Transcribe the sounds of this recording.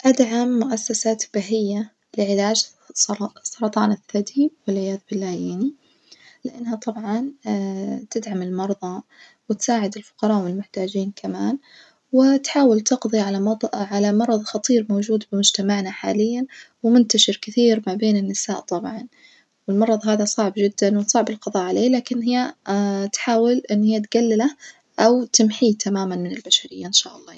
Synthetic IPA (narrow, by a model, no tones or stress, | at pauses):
ʔad̪ʕamːʊʔasːasaːt̪b̥aɦɪjːa | lɪʕɪlaːd͡ʒ | sˤːɑɾˤɑt̪ˤɑːnɪθːad̪iːwɪlʕɪjaːðbɪlːaːjani | lɪʔanːɦat̪ˤɑbʕɑn | t̪ɪd̪ʕamɪlmɑɾˤðˤɑ | wɪt̪saːʕɪd̪ɪlfʊ̥qɑɾˤɑːʔwɪlmʊħt̪aːd͡ʒiːnkʰamaːn | wɪt̪ħaːwɪlt̪ɪqðˤiʕalaɑˤʕalamɑɾˤɑðˤxɑt̪ˤiːɾmoːd͡ʒuːd̪bɪmʊd͡ʒt̪amaʕnaħaːlɪjːanwɪmʊnt̪aʃɪɾkɪθiːɾmabeːnɪnːɪsaːʔt̪ˤɑbʕɑn | wɪlmɑɾˤɑðˤɦaːðasˤɑʕbd͡ʒɪd̪ːanwsˤɑʕbɪlqɑðˤɑːʕaleːlaːkɪnɦɪjːat̪ħaːwɪlʔɪnːhɪjːat̪ɡalːɪla | ʔawt̪ɪmħiːt̪ʰamaːmanmɪnɪlbaʃaɾɪjːaʔɪnʃa̰ːʔɑlˤːɑː